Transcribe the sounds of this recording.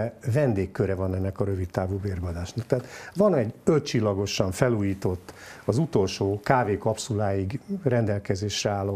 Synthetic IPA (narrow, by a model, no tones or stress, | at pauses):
vɛnd̪eːkːøɾɛvɒnɛnːɛkɒɾøvit̪t̪ːaːvuːbeːrbɒd̪aːʃnɒk̚t̪ɛaːt̪ʋɒnɛɟøt̪̚t͡ʃilːɒɡo̞ʃɒɱfɛluːjiːt̪o̞t̪ːɒzut̪o̞lʃoːkaːveːkɒpsulaːjiɡrɛnd̪ɛlkɛzeːʃrɛaːlːo